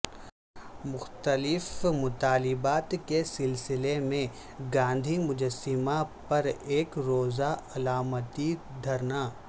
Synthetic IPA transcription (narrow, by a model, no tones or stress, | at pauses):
mʊxt̪əlɪfmʊt̪aːlɪbaːt̪kesɪlsɪlemẽ | ɡãːnd̪ʱimʊd͡ʒəsːɪmapɐɾeːkɾoːzaɐlaːmət̪id̪ʱɐɾnaː